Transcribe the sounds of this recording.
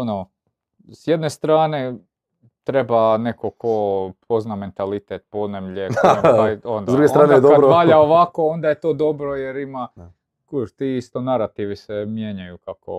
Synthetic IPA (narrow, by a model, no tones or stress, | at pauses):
ono | sjed̪ne̞st̪ɾaːne | t̪ɾebanekokʰopʰozname̞nt̪alit̪et̪̚pod̪nemʎekajond̪ad̪uɡest̪aːned̪aɾopaːʎaoʋako̞o̞nd̪ajet̪oːd̪o̞bɾojeɾima | kuʃt̪iːist̪onaɾat̪iʋisemjeɲajukako̰